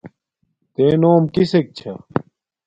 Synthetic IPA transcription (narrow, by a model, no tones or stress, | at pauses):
t̪eːnoːmkisek̚t͡ɕʰɐ